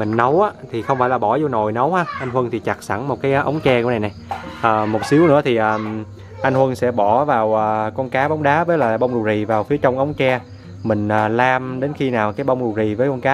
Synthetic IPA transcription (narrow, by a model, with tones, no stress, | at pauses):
mï˨˩ŋ̟nə˨˦wʔaː˨˦t̪ʰi˨˩xə˧wŋ͡mfaː˧˩jlaː˨˩ɓɔ˧˩zo˧no˨˩jnə˨˦whaː˨˧ʔa˧jŋ̟hwə˧nt̪ʰi˨˩t͡ɕa˨˩k̚sa̰˧˩ŋm˨˩t̚kaː˨˦jʔʔə˨˦wŋ͡mt͡ɕɛ˧kna˨˩jna˨˩jʔəː˨˩mo˨˩t̚si˨˦əwnɨ̰˧˥ət̪ʰi˨˩ʔəː˨˩ | ʔa˧ŋhwə˧nsɛ̰˧˥ɓɔ˧˩vaː˨˩wʔəː˨˩kɔ˧nkaː˨˦ɓa˨˦wŋ͡mɗaː˨˦vəː˨˦jlaː˨˩˨ɓə˧wŋ͡mɗu˨˩zi˨˩vaː˨˩wfi˨˦ət͡ɕə˧wŋ͡mʔə˨˦wŋ͡mt͡ɕɛ˧ | mï˨˩ŋ̟ʔəː˨˩laː˧mɗe˨˦nxi˧naː˨˩wkaː˨˦jɓə˧wŋ͡mɗu˨˩zi˨˩vəː˨˦jkɔ˧nkaː˨˦